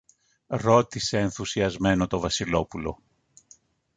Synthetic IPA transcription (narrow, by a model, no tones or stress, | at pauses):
ɾo̞t̪ise̞ːnθusiɐzme̞no̞t̪o̞vɐsilo̞pulo̞̰